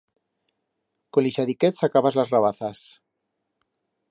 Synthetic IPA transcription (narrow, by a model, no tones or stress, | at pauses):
koliʃaðiket̪sakaβazlazraβ̞aθas